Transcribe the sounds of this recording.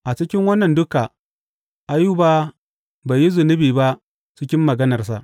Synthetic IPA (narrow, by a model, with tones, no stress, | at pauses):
ʔa˨t͡ʃɪ˦kʲɪ˦ŋwɐ˦nːɐ˨ndʊ˦ka˨ | ʔa˨ju˦ba˦ | ba˨ji˦zʊ˨nʊ˦biː˨ba˦ʔ | t͡ʃɪ˦kʲɪ˦mːɐ˨ɡɐ˦nɐ˨rs̬a̰˨ʔ